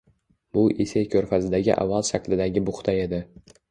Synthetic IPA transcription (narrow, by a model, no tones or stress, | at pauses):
b̥ʊʔesejkʲʰɵɾfazɪd̪aɡʲɪ̰ʔa̰vːalˠʃakʰʲlɪd̪aɡʲɪbʊχt̪ʰae̞d̪ɪ